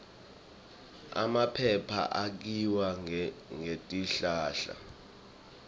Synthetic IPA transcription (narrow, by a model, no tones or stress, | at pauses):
a̰mapʰɛpʰa̰ʔak̬iwaŋetʼiɬaːɬa̰